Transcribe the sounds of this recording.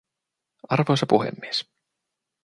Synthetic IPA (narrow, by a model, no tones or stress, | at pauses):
ɑrʋojsɑpuɦḛmːies